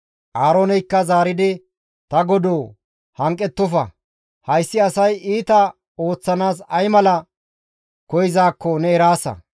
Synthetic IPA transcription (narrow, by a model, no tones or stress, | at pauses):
ʔaːɾoːnɛjkːɐzaːɾɪd̪ɪ | t̪ɐɡɔd̪oː | hɐŋkʼːɛt̪ːɔfɐ̰ | hɐjsːɪɐsɐjiːt̪ɐ | o̞ːt͡sːɐnaːs̬ɐjmɐlɐ | kɔjɪzaːkːɔnɛɛɾaːsɐ̰